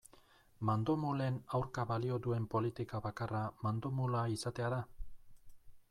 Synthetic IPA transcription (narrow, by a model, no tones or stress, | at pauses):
mand̪omule̞nawɾkaβalio̞d̪ue̞mpo̞lit̪ikaβakaramand̪omulaisat̪e̞aða